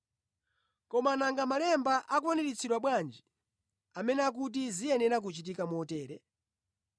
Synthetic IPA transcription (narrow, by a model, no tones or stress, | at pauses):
kɔmanaŋɡamalɛmbaʔakwɔnɛɾit͡sʰiɗwaɓwand͡ʒi | amɛnɛak̬ut̬izijɛnɛɾak̬ut͡ʃitikamuɔtɛːɾɛ